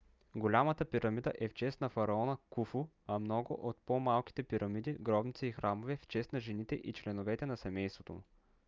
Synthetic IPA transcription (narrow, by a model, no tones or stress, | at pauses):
ɡolʲamət̪əpiɾɐmid̪ə̰ʔɛft͡ʃɛst̪nɐfɐɾɐɔnəkufu | ɐmnɔɡʊ̰ʔot̪̚pomalˠki̥t̪ɛpiɾɐmid̪iɡɾɔbnit̪siixɾamovɛft͡ʃɛst̪nɐʒɛnit̪ɛʔit͡ʃlɛnovɛt̪ɛnɐsɛmɛjst̪vot̪o̰m